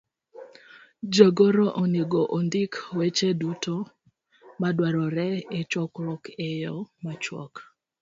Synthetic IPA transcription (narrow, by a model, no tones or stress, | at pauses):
d͡ʒəɡoɾoʔoneɡoʔond̪ɪkwet͡ʃeduto | madwaɾɔɾɛɪt͡ʃɔkɾɔkejɔmat͡ʃwɔ̰k